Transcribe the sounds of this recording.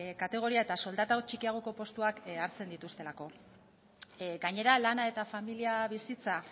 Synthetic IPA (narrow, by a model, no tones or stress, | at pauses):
kat̪e̞ɣ̞o̞ɾiae̞t̪aso̞ld̪at̪aot͡ʃikiaɣ̞o̞ko̞po̞st̪uakaɾt͡se̞nd̪it̪ust̪e̞lako̞ | ɡaɲe̞ɾalanae̞t̪afamiliaβisit͡sa